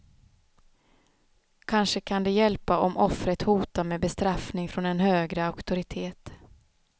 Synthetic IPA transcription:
kʰanʂəkʰand̪ɛjɛlpaʔɔmʔɔfɾət̪huːt̪aɾmɛːbɛst̪ɾafnɪŋfɾɔnɛnhøːɡɾəaʊkt̪ʊɾɪt̪ʰeːt̪

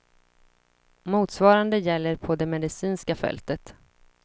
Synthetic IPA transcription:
muːt̪svɑːɾand̪əjɛlːəɾpʰɔd̪ɛmɛd̪ɪsiːnskafɛ̰lt̪ət̪

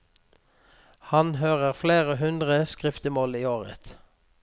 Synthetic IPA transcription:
hɑnɦøːʁəʁfleːʁəɦʉnd̪ʁəskʁɪft̪əmoːliːoːʁə̰t̪

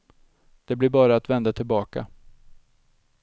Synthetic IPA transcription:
d̪̥ɛblɪɾbɑːɾaːt̪vɛnd̪at̪ʰɪlbɑːka̰

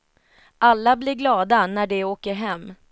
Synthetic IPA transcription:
ʔalːablɪɾɡlɑːd̪anæɖɛoːkəɾɦɛmː

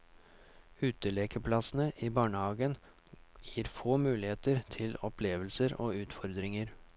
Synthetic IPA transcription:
ʉːt̪əleːkəpʰlɑsnəʔiːbɑːɳəhɑːɡən | jiːɾfoːmʉːlɪheːt̪əɾt̪ʰɪlɔpʰleːʋəlsəɾo̰ːʉːt̪fɔɾd̪ɾɪŋəɾ

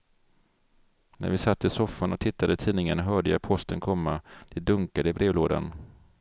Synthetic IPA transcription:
næ̰ɾvɪsat̪ːɪsɔfːanɔt̪ʰɪt̪ʰːad̪ət̪ʰiːnɪŋənɦœːɖəjapʰɔst̪ənkʰɔmːad̪̥ɛd̪ɵŋkad̪əɪbɾeːvloːd̪a̰n

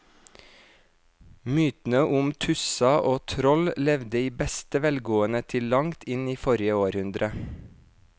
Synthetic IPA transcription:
myːt̪n̩əʔʊmt̪ʰʉsɑʔoːt̪ʰɾɔllɛʋd̪əiːbɛst̪əʋɛlɡoːənət̪ʰɪllɑŋt̪ʰɪniːfɔɾɪəoːɾhʉnd̪ɾə

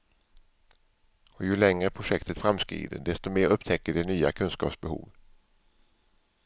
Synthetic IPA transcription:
ɔjɵlɛŋɾəpʰɾʊʂɛkt̪ət̪fɾamskɾḭːd̪ə̰ɖɛst̪ɔmeːɾɵpːt̪ʰɛkːəɖɛnyːa̰kʰɵnskɑ̰ːpsbɛhṵːv

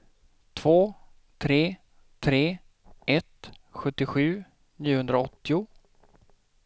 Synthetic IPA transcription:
t̪ʰv̥oː | t̪ʰɾeː | t̪ʰɾeː | ʔɛt̪ɧɵt̪ːɪɧʉ̟ː | niːʊhɵnd̪ɾaɔt̪ːɪʊ

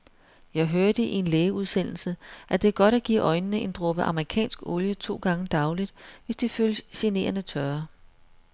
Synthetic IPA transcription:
jɑ̈ɪɦøɐd̥əʔie̝nleːuð̞ˠsen̰l̩səʔæd̥e̝æɐɡ̥ɒ̽ɾ̥æɡ̥ḭːʔɒ̽ɪnəːəʔe̝nd̥ʁɔ̽b̥əʔɑ̈məʁikʰɛ̰ːnsɡ̥oljət͡sʰo̝̰ːɡ̥ɑ̈ŋəd̥ɑ̈ʊlid̥ʋe̝sd̥ifølsɕene̝̰ːɐnət͡sʰɶɐ

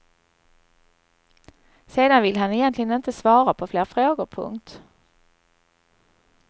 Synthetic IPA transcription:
seːd̪anvɪlɦanɛjɛnt̪ʰlɪɡənɪnt̪əsvɑːɾapʰɔfleːɾfɾoːɡʊɾpʰɵ̰ŋt̪

